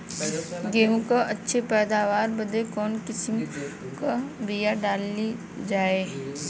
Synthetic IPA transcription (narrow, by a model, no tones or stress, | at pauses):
ɡeːɦũkaʔɐtːʃʰepɛːd̪aːʋaːɾbəd̪ekɔːnkɪsɪm | kabijaɖaːli | d͡ʒaːeː